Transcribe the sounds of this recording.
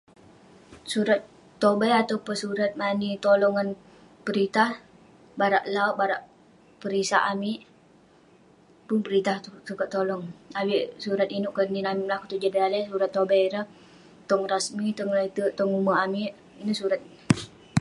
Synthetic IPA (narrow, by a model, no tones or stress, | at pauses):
suɾat̪ː | obajat̪awpəsuɾat̪̚manit̪olɔŋan | pəɾit̪ah | baɾaʔlawbaɾaʔ | pəɾisa̰ʔamiʔ | pʊnpəɾit̪ahsukaʔt̪ːolɔŋawiʔsuɾat̪inʊʔkəninamiʔmlakut̪ud͡ʒadialɛsuɾat̪ːobaɾəh | t̪ɔŋrasmit̪ɔŋrat̪əʔt̪ɔŋumaamiʔ | inuʔsuɾat̪̚